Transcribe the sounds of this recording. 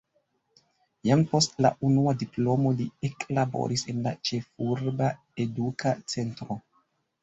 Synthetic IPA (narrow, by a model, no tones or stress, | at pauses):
jampo̞stla̰ʔunuadiplo̞mo̞lieklabo̞̰ɾʔisenlat͡ʃe̞fuɾba | edukʰat͡sentɾo